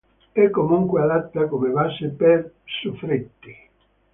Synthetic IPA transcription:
ɛkːomuŋkwead̪at̪ːakomevasɪpɛɾ | sufɾit̪ːi

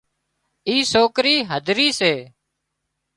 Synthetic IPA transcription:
iːsoːkɾiːɦəd̪ʱɾiːseː

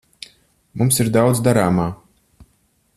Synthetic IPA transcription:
mumsiɾd̪awd̪zd̪aɾaːmaː

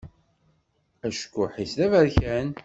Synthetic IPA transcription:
æʃkʷːʊħisðævæɾçæn

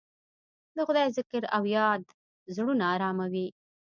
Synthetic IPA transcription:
d̪əxʊd̪ɑjzɪkɾawjɑd̪ | zɽunaːɾɑmawi

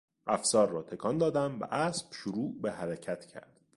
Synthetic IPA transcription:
ʔæfsɒːɾːɒːt̪ʰe̞kʰɒnd̪ɒːd̪æmvæ̰ʔæsb̥ʃoɾuːʔbehæɾæcʰæt̪ʰcʰæ̰ɾd̪̥

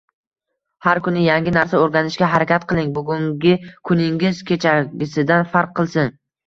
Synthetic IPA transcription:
haɾkʰʊnɪjaŋɡʲɪnaɾsaoɾɡʲanɪʃkʲaɦaɾakʲat̪̚qʰɨlˠɪŋbʊɡʲʊŋɡʲɪkʰʊnɪŋɪzkʲʰe̞t͡ʃʰaɡʲɪsɪd̪anfaɾqʰːɨlˠsɪn

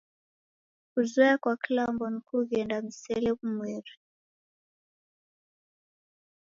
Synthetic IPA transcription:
kuzwɛakwaklambɔnikuɣɛndamisɛlɛkumwɛɾi

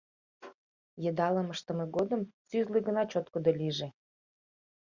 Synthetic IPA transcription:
jə̆d̪ɑlˠə̆məʃt̪ɤ̆mĕɡod̪ɤ̆msyzlɨɡɤ̆nɑt͡ɕot̪kod̪olʲiʒĕ

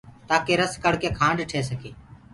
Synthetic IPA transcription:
t̪aːkeːɾəskəɽkeːkʰãːɳɖʈʰeːsəkʰeː

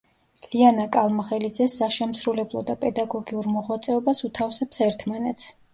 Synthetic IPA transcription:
lianakʼalˠmaχɛlid̪zɛsːaʃɛmsɾulɛblˠɔ̰d̪apʼɛd̪aɡɔɡiuɾmɔʁwat̪sʼɛɔbasut̪ʰafsɛpsɛɾt̪ʰmanɛt̪s

